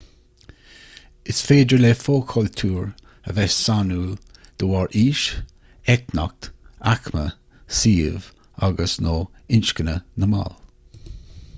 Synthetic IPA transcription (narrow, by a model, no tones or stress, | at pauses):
ɪsfeːdəlefoːkʰɔlt̪ʰuːɹ | əvɛssanuːd̪̥əwɔɹʔiːʃ | ɛknɔ̰k̚t̪akmə̰ | siːv | aɡəsnoːɪnʃkənənəma̰l